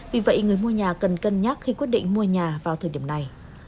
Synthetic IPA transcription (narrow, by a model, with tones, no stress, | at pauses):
vi˨˩və̰˧˨jŋɨ˨˩əjmu˧əɲaː˨˩kə˨˩nkə˧nɲaː˦˥k̚xi˧kwi˦˥t̚ɗḭ˧˨ŋ̟mu˧əɲaː˨˩vaː˨˩wt̪ʰəː˨˩jɗi˧˩əmna˨˩j